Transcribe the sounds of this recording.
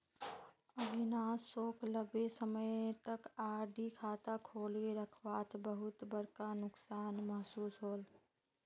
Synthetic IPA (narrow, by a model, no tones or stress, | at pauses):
ɐbʱɪnaːsoːkləbesəməjt̪ɐkaːɾɖikʰaːt̪akʰoːleɾəkʰʋaːt̪bɐɦʊt̪bɐɾkanʊksaːnmɐɦsuːsɦoːl